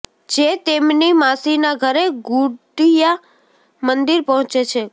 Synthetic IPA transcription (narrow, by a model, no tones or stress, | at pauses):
d͡ʒet̪emnimasinaɡʱəɾeɡuɖija | mənd̪iɾpəɦɔ̃t͡ʃet͡ʃʰe